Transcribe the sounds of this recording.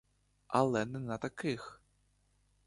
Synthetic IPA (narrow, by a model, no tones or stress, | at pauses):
alˠɛnɨnɐt̪akɨx